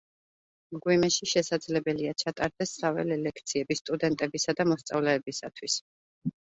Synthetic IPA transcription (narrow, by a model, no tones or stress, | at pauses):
mɡwimɛʃiʃɛsad̪zlɛbɛliat͡ʃʰat̪ʼaɾd̪̥ɛsavɛ̰lɛlɛkʰt̪sʰiɛbist̪ʼud̪ɛnt̪ʼɛbisad̪amɔst̪sʼa̰vlɛːbisa̰t̪ʰwis